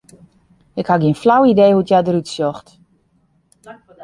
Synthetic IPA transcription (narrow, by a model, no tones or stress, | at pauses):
ɪkhaɡiənflawideːhutjadəɾytsjɔxt